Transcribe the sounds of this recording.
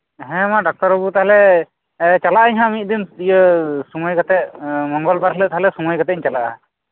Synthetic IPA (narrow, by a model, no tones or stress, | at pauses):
ɦɛ̃mãɖɔk̚t̪ɔɾɔbut̪aɦlɛ | t͡ʃalaʔɲɦãmit̪̚d̪inijəsuməjkat̪ɛʔmɔŋɡɔlpaɾɦɛlət̪aɦlɛsuŋəjkat̪ɛiɲt͡ʃalaʔa̰